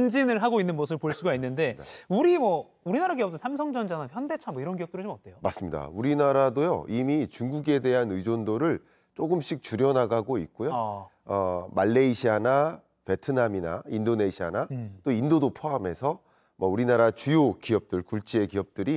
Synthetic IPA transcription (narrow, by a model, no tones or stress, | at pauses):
nd͡ʑinɯɭɦaɡoinːɯnɡʌs̬ʰɯɭpoɭs͈uɡainːɯnde̞uɾimwʌ | uɾinaɾaɡiʌp̚t͈sʰamsʰʌŋd͡ʑʌnd͡ʑanaçjʌnde̞t͡ɕʰamʌiɾʌnkijʌp̚tɯɾɯt͡ɕomʌt͈̚e̞jomas͈ɯmɲida̰uɾinaɾadojo̰ʔimit͡ɕuŋɡuɡe̞de̞ɦanɯd͡ʑondoɾɯɭ | t͡ɕ͈oɡɯmɕ͈ik̚t͡ɕuɾjʌnaɡaɡoit̚k͈ojo | ʌmaɭːe̞iɕʰiana | pe̞tʰɯnamina̰indone̞ɕʰianat͈oindodopʰoame̞sʰʌ | mʌuɾinaɾat͡ɕujokiʌp̚t͈ɯɭkuɭt͡ɕ͈ie̞kiʌp̚t͈ɯɾi